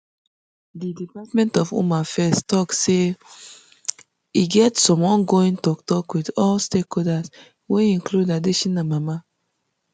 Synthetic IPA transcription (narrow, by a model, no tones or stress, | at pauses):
didipatmɛ̃ntɔfo̰mafɛstɔkse | iɡɛtsɔ̃mɔ̃nɡoĩŋtɔktɔkwidɔlstekɔdas | weĩŋkludadeʃĩnamama